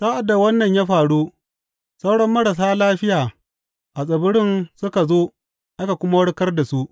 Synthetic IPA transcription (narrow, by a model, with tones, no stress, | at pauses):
saː˦ʔa˨dːa˨wɐ˦nːɐ˨ɲjaː˦ɸaː˨ɽu˦ | sa˦wɽɐ˦mːɐ˦ɽa˨s̬aː˦laː˦ɸɪ˦jaː˨ | ʔa˨sʼɐ˨bʊ˦ɽɪ˦nsʊ˦ka˨zoː˦ | ʔa˦ka˨kʷʊ˦ma˦wɐ˦ɽkɐ˦rda˨su˦ʔ